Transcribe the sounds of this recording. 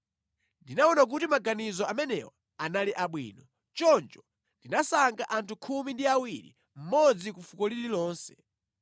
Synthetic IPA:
ndinaɔnak̬utimaɡanizɔamɛnɛwa | analiʔaɓwḭːnɔ | t͡ʃɔnt͡ʃɔ | ndinasaŋɡaʔantʰukʰumindiawiɾḭ | m̩mɔd͡zikufukɔlililɔːnsɛ̥

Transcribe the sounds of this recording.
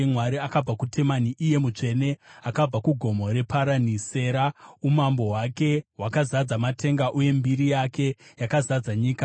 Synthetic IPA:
mwaɾiakab͡vakutʰe̞maniʔije̞mut͡ʂe̞ne̞akab͡vakuɡʱo̞mo̞ɾe̞paɾanise̞ːɾaumambo̞wake̞wakazad͡zamatʰe̞ŋɡaʔuje̞mbiɾijake̞jakazad͡zaɲiːka

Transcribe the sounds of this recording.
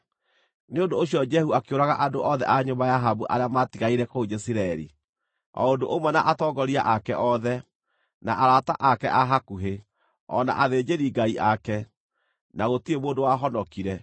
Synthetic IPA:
neondoːɕiɔd͡ʒɛhuakeoɾaɣaʔadoʔɔðɛ̰ʔaɲombajaɦabuʔa̰ɾeamatiɣaiɾɛkood͡ʒesiɾaɛɾḭ | ɔ̰ondoʔomwɛnaʔatɔɡɔɾia̰ʔakɛʔɔðɛ | naʔaɾataʔakɛ̰ʔaɦakuɦe | ɔ̰na̰ʔaðeːd͡ʒeɾiɡaiʔakɛ | naɣotiemoːndowaɦɔnɔkiɾɛ

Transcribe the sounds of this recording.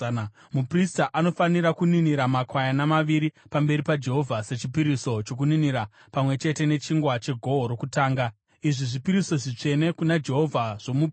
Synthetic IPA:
mupristaʔano̞faniɾakuniniɾamakwajanamaʋiɾipambe̞ɾipad͡ʒe̞ɦo̞vʱase̞t͡ʃipiɾiso̞t͡ʃo̞k̬uniniɾa | pamwe̞t͡ʃe̞te̞ne̞t͡ʃiŋɡwat͡ʃe̞ɡʱo̞oɾo̞kutaːŋɡa | iʐiʐipiɾiso̞ʐit͡ʂe̞ne̞kunad͡ʒe̞ɦo̞vʱaʐ̥omup

